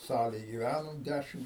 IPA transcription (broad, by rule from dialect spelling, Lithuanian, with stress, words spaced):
ˈsɑːlʲeːj ɡʲiːˈʋʲænoːm ˈdʲæʃʲɪm